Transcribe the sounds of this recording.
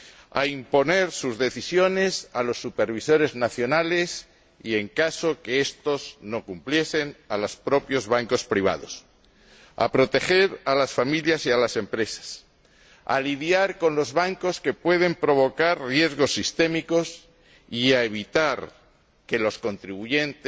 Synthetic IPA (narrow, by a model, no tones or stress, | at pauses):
a̰impo̞ne̞ɾsuzðe̞θisjo̞ne̞salo̞sːupe̞ɾβ̞iso̞ɾe̞znaθjo̞nale̞s | ie̞ŋkaso̞keest̪o̞zno̞kumplje̞se̞nalaspɾo̞pjo̞zβaŋko̞spɾiβ̞a̰ð̞o̞̰s | a̰pɾo̞t̪e̞xe̞ɾalasfamiljasialase̞mpɾe̞sḁs | a̰liðjaɾko̞nlo̞zβaŋko̞ske̞pwe̞ð̞e̞mpɾo̞β̞o̞kaɾrje̞zɣ̞o̞sːist̪e̞miko̞s | iaeβ̞it̪aɾ | ke̞lo̞sko̞nt̪ɾiβuʝe̞nt̪